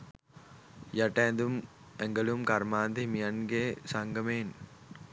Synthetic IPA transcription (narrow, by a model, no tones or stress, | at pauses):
jaʈəɛ̃nd̪um | ɛŋɡəlumkaɾmaːnd̪iɦimijanɡesaŋɡəmeːn